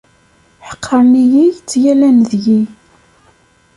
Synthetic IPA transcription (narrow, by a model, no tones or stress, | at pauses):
ħə̥qʰːəɾˤnijijt͡sːjælænðji